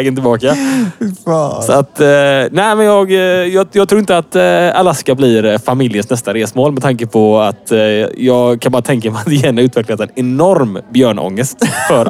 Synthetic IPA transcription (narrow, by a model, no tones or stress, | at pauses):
ɛɡənt̪ɪbɑːkafsɔat̪næɪmɛnjɑːɡjjɑːɡt̪ʰɾuːɪnt̪əat̪alaskablɪɾfamɪljənsnɛst̪aɾeːsmoːlmɛt̪ʰaŋkəpʰɔat̪jɑːɡkʰanbɑːɾat̪ʰɛŋk̬amɛat̪ɪjɛːnaɾʉ̟ːt̪vɛklat̪ɛnɛnɔɾmbjœːɳɔ̰ŋːəst̪fœɾ